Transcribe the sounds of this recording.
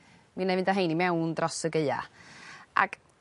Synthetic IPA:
minavɪntʰaɦejnimɛwndrɔsəɡeɨa̰ | ʔa̰ɡ̥

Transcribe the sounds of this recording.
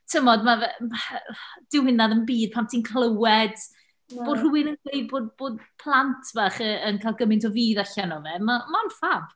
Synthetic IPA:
tʰəmɔdmaɛ | d̥ɪwhɪnaðənbiːd̥̚pʰamp̚tʰinkʰlˠəwɛd̥ | b̥oːdr̥uwɪnənɡejdboːdboːdpʰlˠantʰv̥aχəənkʰajlˠɡəmɪntʰɔviːðaɬanɔvɛmamaɔnfab

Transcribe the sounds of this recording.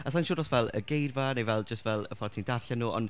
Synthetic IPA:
əs̬anʃʊːrɔsvɛlˠə̰ɡejdvanejvɛlˠd͡ʒəstvɛlˠəfɔrtʰindaɬɛnuːɔ̰nd

